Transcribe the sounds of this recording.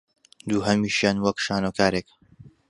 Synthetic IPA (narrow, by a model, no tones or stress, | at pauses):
d̪uːɦɐmiːʃjaːnwɐkʃaːnokʰaːɾeːk